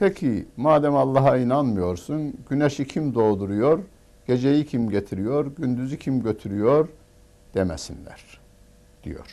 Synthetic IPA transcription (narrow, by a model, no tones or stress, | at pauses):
pʰecʰimaːd̪æmɑlˠːɑɦɑinanmɯjo̞ɾsunɟ̥yneʃicʰimd̪o̞ːd̪uɾujoɾ | ɟ̥e̞d͡ʒejicʰimɟet̪ʰiɾijo̞ɾɟynd̪yzycʰimɟø̞t̪ʰyɾyjo̞ɾ | d̪̥emɛsinlʲæ̰ɾ̥ | d̪̥ijo̞̰ɾ̥